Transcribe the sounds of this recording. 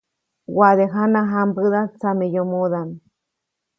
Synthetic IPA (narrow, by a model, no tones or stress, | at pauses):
waðeɦanaɦambɨðat͡samejomoðam